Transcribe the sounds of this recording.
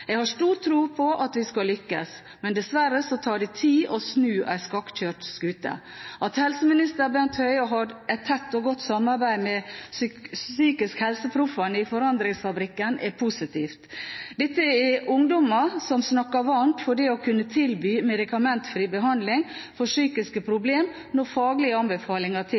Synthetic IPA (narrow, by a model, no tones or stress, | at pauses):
jɛɡhɑʂt̪uːɾt̪ʰɾuːpʰɔʔɑt̪ʋɪskɑlʏkːəs | mɛnd̪ɛsʋæɾəsɔt̪ʰɑːɖɪt̪ʰiːʔɔsnʉːʔæ̰ɪskɑkçøːʈskʉːt̪ə̰ʔɑt̪hɛlsəmɪnɪst̪əɾbɛnt̪hœʏɦɑɾɛt̪ʰːɛt̪ːɔɡɔt̪ːsɑmːɑɾbæɪmɛssyːkɪskhɛlsəpʰɾʊfɑnəɪfɔɾɑnd̪ɾɪŋsfɑbɾɪkːənʔɛpʰusɪt̪ʰiːft̪d̪ɛt̪ːəɛʊŋd̪ɔmɑsɔmsnɑkːɑʋɑnt̪fɔɖɛɔkʰʉnːət̪ʰɪlbyːmɛd̪ɪkɑmɛnt̪fɾiːbəɦɑnd̪lɪŋfɔʂyːkɪskəpʰɾʊbleːm | nɔfɑːɡlɪəɑnbəfɑːlɪŋɑt̪ʰɪ